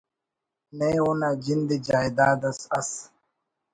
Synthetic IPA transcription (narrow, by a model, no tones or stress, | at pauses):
neunad͡ʒind̪ed͡ʒaːjd̪aːd̪ɐsɐs